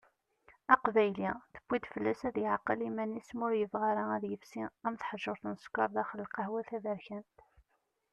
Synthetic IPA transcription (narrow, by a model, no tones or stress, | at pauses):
æqvæjliθə̥b̥ːid̪fəlːæsæðjəʕqːəlimænːismʊɾjəvʁaɾaæðjəfsiæmθħʒːʊɾˤθnəskʷːɑɾˤðæχəlːqɑhwæθæðæɾçænt̪